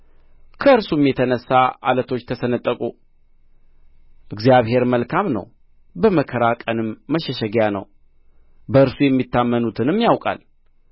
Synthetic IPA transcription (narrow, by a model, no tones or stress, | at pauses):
kʰəɨɾsumjɛt̪ʰənəsːaʔa̰lət̪ʰo̞t͡ʃːt̪ʰəsənət̪ʼːəkʼu | ʔɨɡzijaβhe̞ɾməlkʰamnə̰w | bəməkʰəɾakʼənɨmːəʃɛʃɛɡjanə̰w | bəɨɾsujɛmːit̪ːamːənut̪ʰɨnɨmːjawkʼa̰l